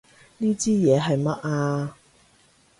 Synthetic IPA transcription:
niː˥t͡siː˥jɛː˨˧ɦɐ˨jmɐ˥t̚aː˧

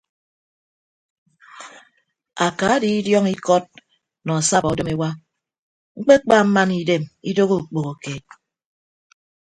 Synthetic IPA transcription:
a˨ka˨a˦di˨i˦djɔ˦ŋi˦kɔ˦t̚ | nɔ˨a˨sa˦ba˨o˨do˦me˦wa˦ | ŋ͡m̩˦k͡pe˦k͡pa˦˨m̩˦ma˦ni˦de˦˨mi˦do˦ɣo˦u˨k͡po˨ɣo˨keː˨t̚

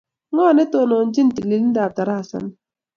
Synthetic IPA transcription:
ŋɔ˦˨nɛ˦to˨nɔ˨n˦d͡ʒi˦n˦ti˨li˨ln̩˦daː˨b̚ta˨ɾa˦a˨sa̰˨n

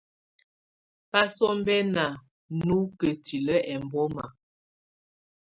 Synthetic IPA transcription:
pa˦sɔ˦m˦bɛ˦na˨ | nu˦kə˨ti˨lə˦ʔɛ˨m˨bɔ˦ma̰˨

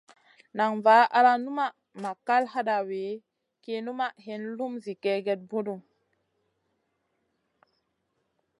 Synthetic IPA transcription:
na˨ŋva˨˦a˦ɾa˦nu˦ma˦ | ma˨ka˦lɦa˦da˨we˨˦ | ke˦nu˦ma˦ɦe˨nlu˦mzi˨ke˦ɡe˦t̚bu˦du˨ŋ

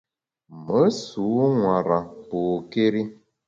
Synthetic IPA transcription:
mə˨˦su˨˦ŋwa˨ɾa˨poː˨ke˦ɾi˦

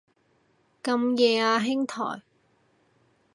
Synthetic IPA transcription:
kɐ˧mjɛː˧aː˧ɦɪ˥ŋt̪ʰɔ̰ː˨˩j

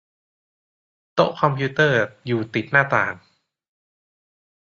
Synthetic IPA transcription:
t̪o˦˥ʔkʰɔ˧mpʰiu˦˥t̪ɤː˥˩juː˨˩t̪i˨˩t̪̚naː˥˩t̪aː˨˩ŋ

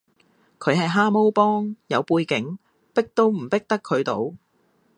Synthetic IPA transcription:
kʰɵ˨˧ɥhɐ˨jɦaː˥mo˥wpɔː˥ŋjɐ˨˧wpuː˧jkɪ˨˥ŋ | pɪ˥k̚t̪o˥wm̩˨˩pɪ˥k̚t̪ɐ˥kʰːɵ˨˧ɥt̪o̰˨˧w

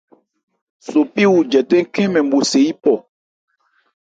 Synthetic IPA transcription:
so˨pi˦wu˨d͡ʒɛ˨tɛ˦ŋ˦kɛ̃˦mɛ̃˨m̩˨bo˨se˨i˦pɔ˨

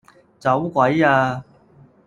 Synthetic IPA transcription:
t͡sɐ˨˥wkʷɐ˨˥jaː˧

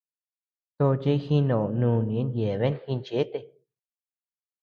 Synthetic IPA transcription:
t̪o˧t͡ʃe˧˦˧xĩ˧nõ˨o˨nũː˧˨nĩ˨˧ẽ˦nd̪je˨βe˦n˧hĩ˧nt͡ʃe˨˦t̪e˧

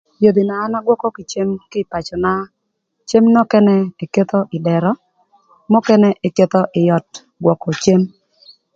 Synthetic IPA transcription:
jo˨d̪i˨naː˨˦na˦ɡwɔ˦kɔ˦ki˨t͡ʃe˦mkɪ˦pa˨t͡ʃɔ˨na˦ | t͡ʃe˦mnɔ˦kɛ˦nɛ˦e˨ke˦t̪ɔ˦ʔɪ˨dɛ˨ɾɔ˦ | mɔ˦kɛ˦nɛ˦ʔe˨ke˦t̪ɔ˦ʔɪ˨jɔ˨t̚ | ɡwɔ˨kɔ˨t͡ʃe˦m

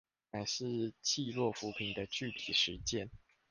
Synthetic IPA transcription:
na˨˩ʂɻ̩˥˧t͡ɕʰi˥˧lwɔ˥˩fu˧˥pʰi˨˩nd̪ə˧t͡ɕy˥˩t̪ʰi˨˩ʂɻ̩˧˦t͡ɕjɛ˥˨n

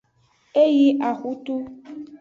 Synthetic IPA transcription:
e˦ji˦ʔa˨xu˦tu˦

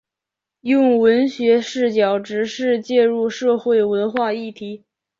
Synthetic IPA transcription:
jʊ˥˩ŋwə˧˥nɕɥɛ˧˥ʂɻ̩˥˩t͡ɕjɑ˨˩ʊʈ͡ʂɻ̩˧˥ʂɻ̩˥˧t͡ɕjɛ˥˧ɻu˥˧ʂɤ˥˧xwe˥˩ɪwə˧˥nxwa˥˧i˥˩t̪ʰi˧˥

